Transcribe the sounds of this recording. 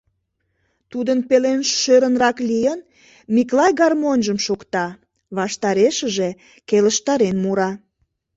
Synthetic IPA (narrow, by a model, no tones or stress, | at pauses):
t̪ud̪ənpelenʃøɾənrɑklijən | miklɑjɣɑrmonʒəmʃokt̪ɑ | βɑʃt̪ɑɾeʃəʒe | keləʃt̪ɑɾenmuɾɑ